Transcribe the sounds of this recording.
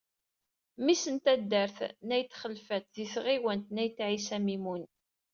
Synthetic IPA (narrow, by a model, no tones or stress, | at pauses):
misənt̪æd̪ːəɾθnæjt̪ːχəlfæt̪ðisʁiwənt̪næjt̪ːʕisæmimun